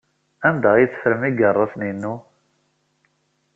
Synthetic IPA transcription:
ænd̪ajiθə̥fɾəmiɡərˤːɑsninːu

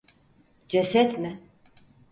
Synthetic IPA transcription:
d͡ʒɛsɛt̪mɪ

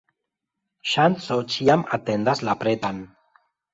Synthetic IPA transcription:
ʃansot͡ʃiama̰t̪end̪azlapɾet̪an

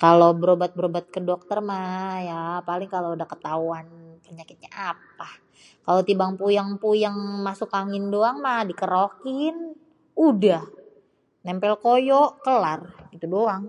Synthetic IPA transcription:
kalobəɾobat̪̚bəɾobat̪̚kədok̚t̪ərmajapalɪŋkaloudahkə̥t̪awanpəɲakɪt̪̚ɲaʔap̚a | kalot̪ibaŋpujaŋpujaŋmasʊkaŋɪndoaŋmadikəɾokɪn | udah | nɛmpɛlkojoʔkəlarɡit̪udoaŋ

